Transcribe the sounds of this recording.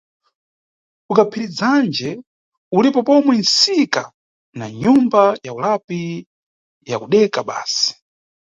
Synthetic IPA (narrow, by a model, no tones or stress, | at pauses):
ukapʰiɾid͡zand͡ʒɛ | ulipɔpɔmwɛnsika | naɲumbajaulapi | jakuɗɛkaɓa̰ːsi̥